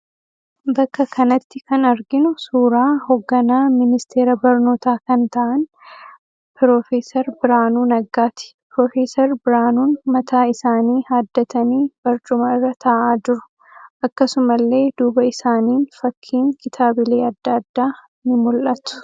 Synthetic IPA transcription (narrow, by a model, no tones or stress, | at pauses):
bɐkːɐkɐnɐt̪ːɪkɐnɐɾɡɪnʊsuːɾaːhoɡːɐnaːmɪnɪst̪ʰe̞ːɾɐbɐɾno̞ːt̪aːkɐnt̪ɐʔɐn | pɪɾoːfe̞ːsɐɾbɪɾaːnuːnɐɡːaːt̪ɪ̥pɾoːfe̞ːsɐɾbɪɾaːnuːnmɐt̪aːɪsaːniːhaːd̪ːɐt̪ɐniːb̥ɐɾt͡ʃʼʊmɐɪrːɐt̪ʰɐʔaːd͡ʒɪɾʊ̥ | ʔɐkːɐsʊmɐlːe̞ːd̪uːbɐɪsaːniːnfɐkʰːiːŋkɪt̪ʰaːbɪleːɐd̪ːɐd̪ːaː | nɪmʊlʔɐt̪ʊ̥